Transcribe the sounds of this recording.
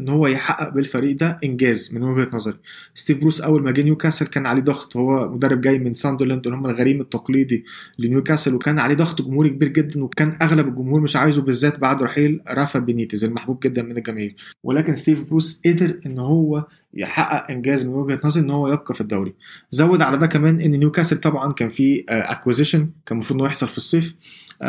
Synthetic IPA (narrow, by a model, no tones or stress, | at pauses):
ʔenːhowːæjeħaʔːæʔbelfæɾiːʔd̪æʔenɡæːzmenweɡhæt̪nɑzˤɑɾi | st̪iːvbɾuːsʔæwːælmæɡːnjukæselkæːnʕaleːd̪ˤɑɣt̪ˤhowːæmod̪ærːeb̚ɡæjːmensɑnd̪eɾlænd̪ʔnːhomːælɣæɾiːmet̪ːɑqliːd̪ilenjuːkæselwekæːnʕaleːd̪ˤɑɣt̪ˤɡomhuːɾik̚ebiːɾɡed̪ːænwekæːnʔæɣlæbelɡomhuːɾmeʃʕaːjzubezːæːt̪̚baʕd̪ɾˤɑħiːlɾˤɑfæʔbeniːt̪izælmaħbuːb̚ɡed̪ːænmenelɡæmiːlwʔelæːkenst̪iːvbɾuːsʔed̪eɾʔenːhowːæ | jḛħaʔːæʔʔenɡæːzmenwæɡhæt̪nɑzˤɑɾʔenːhowːæjeb̚qɑfid̪ːæwɾizæwːed̪ʕalæd̪æːkæmæːnʔenːenjuːkæselt̪ˤɑbʕɑnkæːnfiːʔæ̰kwezeʃenkæːnmɑfɾud̪njeħsˤɑlfisˤːeːf